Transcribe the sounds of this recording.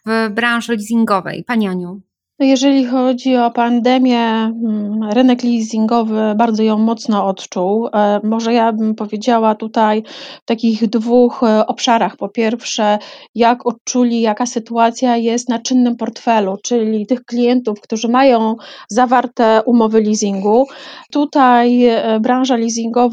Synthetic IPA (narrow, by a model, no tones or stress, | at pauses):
vbɾãw̃ʐɛlʲizʲiŋɡɔvɛ̰jpaɲiaɲɔ̃ | ɔjɛʐɛlʲixɔd͡ʑiɔpand̪ɛmʲjɛ | ɾɘnɛklʲizʲiŋɡɔvɘbaɾd̪zɔjɔ̃w̃mɔt̪snɔɔt̪t͡ʂuwmɔʐɛjabɘmpɔvʲjed͡ʑawat̪ut̪ajft̪akʲiɣd̪vuxɔpʂaɾaxpɔpʲjɛɾfʂɛjakʰɔt͡ʂulʲijakasɘt̪uat̪sʲjajɛst̪nat͡ʂɘnːɘmpɔɾt̪fɛlut͡ʂɘlʲit̪ɘxklʲijɛnt̪ufkt̪uʐɘmajɔ̃w̃zavaɾt̪ɛʔumɔvɘlʲizʲiŋɡut̪ut̪ajbɾãw̃ʐalʲizʲiŋɡɔv